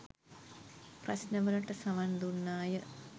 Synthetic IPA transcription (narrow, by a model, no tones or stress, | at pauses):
prɐsnəʋələʈəsɐʋand̪unːaːjə